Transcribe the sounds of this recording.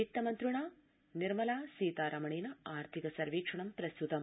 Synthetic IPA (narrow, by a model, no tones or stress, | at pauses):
ik̚t̪ɐmɐnt̪ɾuɳaː | niɾmɐlaːsiːt̪aːɾʔɐmɐɳeːnɐaːɾt̪ʰikɐsɐɾʋiːkʂɐɳɐmpɾɐst̪ut̪ɐm